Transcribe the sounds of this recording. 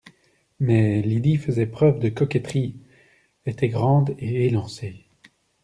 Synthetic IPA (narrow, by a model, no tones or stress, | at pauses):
mɛlid̪ifəzɛpχœvd̪əkɔkɛt̪χi | et̪ɛɡʁɑ̃d̪eelɑ̃se